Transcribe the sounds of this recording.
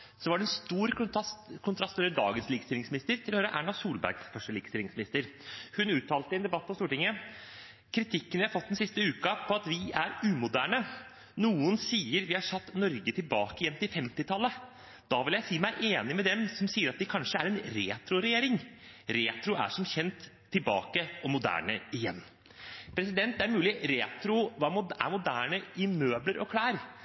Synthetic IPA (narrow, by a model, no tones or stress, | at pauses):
sɔʋɑɖɛnst̪uːɾskʰʊnt̪ʰɾɑst̪øːʋɾəd̪ɑ̰ːɡənsliːɡəst̪ɪlɪŋsmɪnɪst̪əɾt̪ʰɪlɔhøːɾəʔæːɳɑsuːlbæ̰ɾɡsfœʂʈəliːɡə̥st̪ɪlɪŋsmɪnɪst̪əɾhʉnʉːt̪ʰːɑːlt̪əɛnd̪ɛbɑt̪̚ːpʰɔst̪uːʈɪŋːə | kʰɾɪt̪ʰɪkːənjæɪhɑɾfɔt̪ːd̪ɛnsɪst̪əʉːkɑpʰɔɑt̪ʋɪæɾʉːmʊd̪æːɳə | nuːənsiːəɾʋɪhɑʂɑt̪ːnɔɾɡət̪ʰɪlbɑːkəjɛmt̪ɪfɛmt̪ɪt̪ʰɑlːə | d̪̥ɑʋɪljæɪsiːmæɪʔeːnɪmɛd̪ɛmsɔmsiːəɾɑt̪̚d̪ɛkʰɑnʂəæɾɛnɾeːt̪ɾʊɾɛjeːɾɪŋɾeːt̪ɾʊæ̰ʂɔmçɛnt̪ʰː | ɪlbɑ̰ːkəɔmʊd̪æ̰ːɳə̰ɪjɛ̰nː | pʰɾɛs̬ɪd̪ɛnt̪æɾmʉːlɪɾeːt̪ɾʊʋɑːmʊæ̰mʊd̪æːɳəɪmøːbləɾʔɔkʰlæːɾ